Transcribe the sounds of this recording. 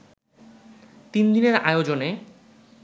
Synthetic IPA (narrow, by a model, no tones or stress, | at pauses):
t̪ind̪ineɾa̰eod͡ʑone